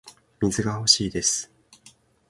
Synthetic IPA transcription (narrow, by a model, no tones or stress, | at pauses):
mʲizɨɡaho̞ɕiːd̪e̞sɨ̥